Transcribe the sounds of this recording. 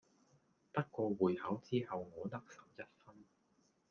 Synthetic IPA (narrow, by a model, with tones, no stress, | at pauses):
t̪ɐ˥k̚kɔː˧wuː˨jhɐ˨˥wt͡siː˥hɐ˨wŋɔː˨˧t̪ɐ˥k̚sɐ˨˩wjɐ˨˩t̚fɐ˥n